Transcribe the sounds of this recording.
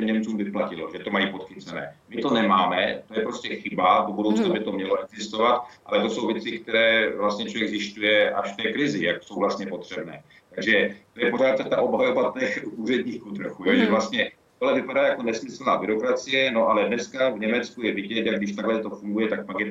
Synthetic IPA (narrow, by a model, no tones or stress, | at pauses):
ɛmɲɛmt͡suːmvɪplacɪloʒɛt̪omajiːpot̪xɪt͡sɛnɛ̰ːmɪt̪o̞nɛmaːmɛ̰t̪ojɛpɾoscɛxɪbadobudowt͡snabɪt̪omɲɛloɛɡzɪst̪o̞vat̪̚ʔa̰lɛt̪oso̞wvjɛt͡sɪk̚t̪ɛɾɛːvlast̪ɲɛt͡ʃovjɛɡzɪst̪ujɛʔa̰ʃft̪ɛːkɾɪzɪjaksowvlast̪ɲɛpo̞t̪r̝̥ɛbnɛ̰ː | t̪aɡʒɛt̪o̞jɛpo̞r̝aːt̪̚t̪ːɛt̪aʔobɦajobat̪ɛxʔuːrɛdɲiːxkut̪ɾoxuːjoʒɛvlast̪ɲɛt̪oɦlɛvɪpadaːjako̞nɛsmɪsl̩na̰ːbɪɾo̞kɾat͡sɪjɛno̞ʔalɛdnɛskavɲɛmɛt͡skujɛvɪɟɛt̪jaɡɡdɪʃt̪aɡlɛt̪o̞fuŋɡujɛt̪ak̚pakjɛ